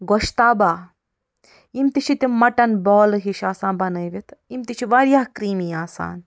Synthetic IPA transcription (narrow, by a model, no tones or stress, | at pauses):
ɡoʃt̪aːbaː | imt̪it͡ʃʰit̪imɐʈɐnboːlɦiʃaːsãːnbɐnɐjʋit̪imt̪it͡ʃʰiʋaɾjaːhkɾiːmiːaːsa̰ːn